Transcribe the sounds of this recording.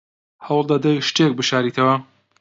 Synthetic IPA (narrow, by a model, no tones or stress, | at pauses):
hɐwlˠd̪ɐd̪ɐjʃt̪ek̚bɨʃaːɾiːt̪ʰɐwɐ